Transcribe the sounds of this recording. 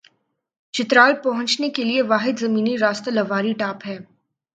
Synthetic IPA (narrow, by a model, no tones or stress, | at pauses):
t͡ʃɪt̪ɾaːlpɐɦʊ̃nt͡ʃnekelieʋaːɦɪd̪zɐmiːniɾaːst̪elɐʋaːɾiʈaːpɦɛː